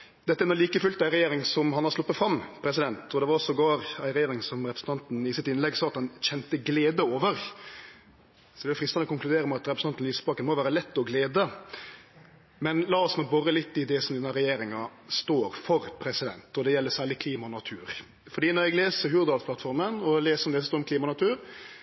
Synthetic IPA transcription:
d̪ɛt̪ːɛnɔliːkəfʉlt̪æɪɾɛjeːɾɪŋsɔmhɑnɑɾslʊpːət̪fɾɑmːpʰɾɛsɪd̪ɛnt̪ʰɔd̪ɛʋɑɾɔsɔɡɑːɾæɪɾɛjeːɾɪŋsɔmɾɛpɾəsn̩t̪ɑnt̪n̩ɪsɪt̪ɪnlɛɡsɑːɑt̪hɑnɕɛnt̪əɡleːd̪əoːʋəɾ | sɔd̪ɛʊfɾɪst̪ɑnɔkʊŋklʉd̪eːɾəmɛɑt̪ɾɛpɾəsn̩ɑnt̪n̩liːsə̥bɑːkənmɔʋæːɾəlɛt̪ːɔɡleːd̪ə | mɛnlɑːɔsnɔɡbɔɾəlɪt̪ːɪd̪ɛsɔmd̪ɛnəɾɛjeːɾɪŋɑst̪oːɾfɔɾpʰɾɛsɪd̪ɛ̰nt̪ɔd̪ɛjɛlːəsæːɭɪkʰliːmɑnɑt̪ʰʉːɾ | fɔɖ̪iːnɔɾɛɡleːsəɾhʉɾd̪ɑːlspʰlɑt̪fɔɾmənɔleːsəɔmd̪ɛsɔst̪oːɾɔmkliːmɑnɑt̪ʰʉːɾ

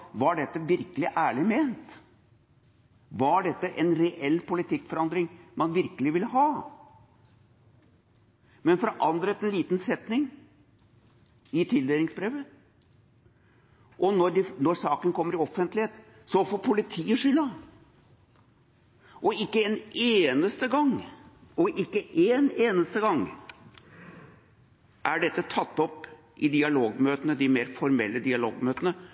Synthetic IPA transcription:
ʋɑɖɛt̪ːəʋɪɾkəlɪʔæːɭɪmeːnt̪ | ʋɑɖɛt̪ːəʔɛnɾɛʔɛlːpʊlɪt̪ʰɪkːfɔɾɑnd̪ɾɪŋmɑnʋɪɾkəlɪʋɪlːəɦɑː | mɛnfɾɑʔɑnd̪ɾət̪ɛnliːt̪nsɛt̪nɪŋ | ɪt̪ʰɪld̪eːlɪŋsbɾeːʋə | ʔɔnɔɖɪnɔɾsɑːkənkʰɔmːəɾɪɔfːənt̪lɪheːt̪ | sɔfoːɾpʰʊlɪt̪ʰiːəʂʏlːɑ | ʔɔɪkːəɛneːnəst̪əɡɑŋɔʔɪkːəʔeːneːnəst̪əɡɑŋː | ʔæɖɛt̪ːət̪ʰɑt̪ːɔp | ʔɪd̪ɪɑloːɡmøːt̪ənəd̪ɪmeːɾfɔɾmɛlːəd̪ɪɑloːɡmøːt̪ənə

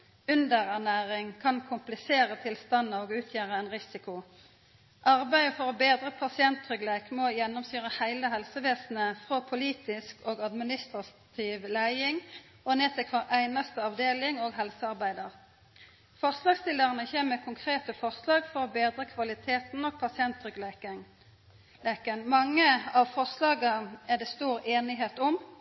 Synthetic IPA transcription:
ʉnd̪əʁæʁnæːʁɪŋkʰɑnkʰʊmplɪseːʁət̪ʰɪlst̪ɑnːəoːɡʉːt̪ʰjæːʁəæɪnʁɪsɪkʊ | ʔɑʁbæɪəfɔʁɔbeːd̪ʁəpʰɑsɪɛnt̪ʁʏɡleːkmɔjɛnːʊmsyːʁəhæɪləɦɛlsəʋeːsn̩əfʁopʰʊliːt̪ɪskoːɡɑd̪mɪnɪst̪ʁɑt̪ʰiːʋlæɪɪŋ | ɔneːt̪ʰɛkʰʋɑʁʔæɪnɑst̪əɑʋd̪eːlɪŋoːɡɦɛlsəɑʁbæɪd̪əʁ | fɔʁslɑːɡst̪ɪlːəʁənəçeːməkʰʊŋkʰʁeːt̪əfɔʁslɑːɡfɔʁɔbeːd̪ʁəkʰʋɑlɪt̪ʰeːt̪n̩ɔɡ̥̚pʰɑsɪɛnt̪ʁʏɡ | eːkənmɑŋːəɑʋfɔʁslɑːɡɑæʁd̪ɛːst̪uːʁeːnɪɦeːt̪ɔm

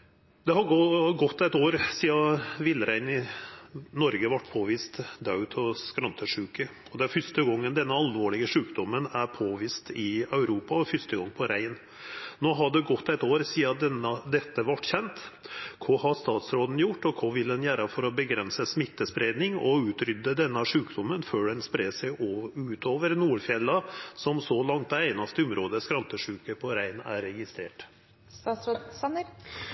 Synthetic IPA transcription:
d̪ɛɦɑɡɔɡɔt̪ːæɪt̪oːɾsiːɑʋɪlːəɾæɪnɪ | nɔɾɡəʋɑʈːpʰoːʋiːst̪d̪ɑʉt̪ʰɔskɾɑnt̪ʰəʂʉːkə | ɔd̪ɛæɾfʏʂt̪əɡɔŋːənd̪ɛnːəɑlʋoːɭɪɡəʂʉːkd̪ɔmːənæɾpʰoːʋiːst̪ɪɑʉɾuːpɑɔfʏst̪əɡɔŋːpʰɔɾʔæɪn | noːɦɑɖɛɡɔt̪ːæɪt̪oːɾsiːɑd̪ɛnəd̪ɛt̪ːəʋɑʈːçɛnt̪kʰohɑst̪ɑːt̪sɾoːd̪n̩jʊʈːɔkʰɔʋɪld̪ɛnjæːɾɑfɔɾɔbəɡɾɛnsəsmɪt̪ːəspɾeːd̪nɪŋɔ̰ʉːt̪ɾʏd̪ːəd̪ɛnːɑʂʉːkd̪ɔmːənføːɖɛnspɾeːsæɪʉːt̪ʰoːʋəɾnuːɾfjɛlːɑsɔmsɔlɑŋt̪ɛæɪnɑst̪əʊmɾoːd̪əskɾɑnt̪əʂʉːkəpʰɔɾæɪnæ̰ɾɛɡɪst̪ɾḛːʈ̪ | ɑs

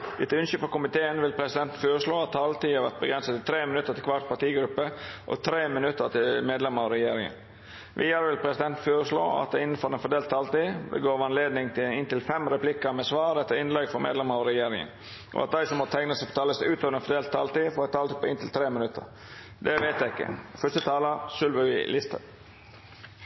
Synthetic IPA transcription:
ʔɪt̪ʉnʃəpɔkʊmɪt̪ʰeːənʋɪlpʰɾɛsɪd̪ɛnt̪nføːɾəʂloːɑt̪ʰːɑːlt̪iːhɑɾʋæt̪̚bəɡɾɛnsət̪ɪt̪ʰɾeːmɪnʉt̪ːəɾt̪ʰɪlkʰʋɑʈ̪pɑʈiːɡɾʉpːəʔɔ̰t̪ʰɾeːmɪnʉt̪ːət̪ʰɪlmeːd̪lɛməɑɾɛjeːɾɪŋə̰n | ʋʔɪːɑɾəʋɪlpʰɾɛsɪd̪ɛnt̪føːɾəʂlo̰ːɑ̰t̪̚d̪ɛɪnːn̩fɔɾɛnfɔd̪eːlt̪ʰːɑːlt̪iːd̪ɛ̰ɡoːɾʋɑnleːd̪nɪŋt̪ʰɪnɪnt̪ɪlfɛmɾɛplɪkəmɛsʋɑːɾɛt̪ːəɾɪnlɛɡfɔmḛːd̪lɛməɾɑɾɛjeːɾɪŋə̰n | ʔɔ̰ɑt̪̚d̪æɪsɔmːɔt̪ʰæɪŋnəspɔt̪ʰɑːləsʉːt̪oːʋəɾɛnfɔd̪eːlt̪ːɑlt̪iːfɔːɾɛt̪ʰɑːlt̪ɪpʰɔɪnt̪ʰɪlt̪ʰɾeːmɪnʉt̪ʰːə̰ɾ | d̪ɛʋeɪt̪jæɪɪkːə̰fœst̪ət̪ʰɑːləsʉlʋəʋɪ̰lɪst̪ʰə̰

